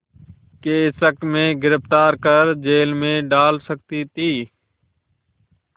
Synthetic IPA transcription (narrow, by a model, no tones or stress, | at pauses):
keːɪsəkmẽːɡɪɾɪft̪aːɾkəɾd͡ʒeːlmẽːɖaːlsək̚t̪iːt̪iː